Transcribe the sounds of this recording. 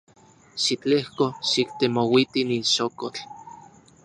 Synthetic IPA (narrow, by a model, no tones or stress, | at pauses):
ʃit͡ɬehkoʃikt̪emowit̪ininʃokot͡ɬ